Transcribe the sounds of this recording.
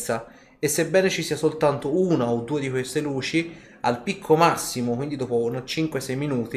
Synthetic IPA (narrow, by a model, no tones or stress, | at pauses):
sa | esːebːɛːnet͡ʃisiːasolt̪ant̪ouːnaod̪ːuːed̪ikwest̪eluːt͡ʃi | a̰lpikʰːomasːimʊkwind̪id̪ɔːponat͡ʃiŋkwesɛjminuːt̪i